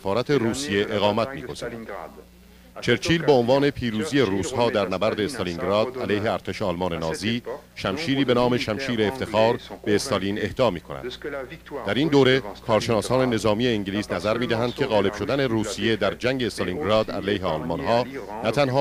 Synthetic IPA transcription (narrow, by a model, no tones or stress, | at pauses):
sefɒːɾæt̪ʰe̞ruːsije̞ʔeɣɒːmæt̪ʰmiːko̞z̥ḭːɾ | t͡ʃʰe̞ɾt͡ʃʰiːlbeonvɒːne̞pʰiːɾuːzijeruːshɒːd̪æɾnæbæɾd̪eːst̪ɒliŋɡɾɒːd̪̥ælejɦe̞æɾt̪ʰe̞ʃeɒlmɒːnenɒːziːʃæmʃiːɾiːbe̞nɒːme̞ʃæmʃiːɾeːft̪e̞xɒːɾb̥e̞ːst̪ɑliːne̞hd̪ɒːmiːkʰonæ̰d̪ | d̪æɾind̪oːɾe̞kʰɒːɾʃenɒːsɒːne̞ne̞zɒːmije̞iŋɟliːsnæzæɾmiːd̪æɦænd̪̥̚cʲʰe̞ɣɒːle̞b̥ʃo̞d̪æne̞ruːsije̞d̪æɾd͡ʒæŋɟeːst̪ɑliŋɡɾɑːd̪æ̰lejɦeɒlmɒnɦɒː | næt̪ʰænɦɒː